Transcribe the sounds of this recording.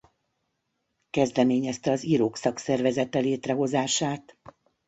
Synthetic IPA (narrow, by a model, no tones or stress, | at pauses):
kɛzd̪ɛmeːɲɛst̪ɛɒziɾoːksɒksɛrvɛzɛt̪ɛleːt̪rɛɦo̞zaːʃaːt̪